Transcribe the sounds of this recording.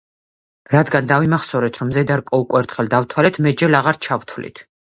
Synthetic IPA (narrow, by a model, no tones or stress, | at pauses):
ɾad̪ɡand̪avimaχsɔɾɛt̪ʰɾɔmzɛd̪aɾkʼɔukʼwɛɾt̪ʰχɛld̪avt̪ʰwalɛt̪ʰmɛd͡ʒɛlaʁaɾt͡ʃʰavt̪ʰvlḭt̪ʰ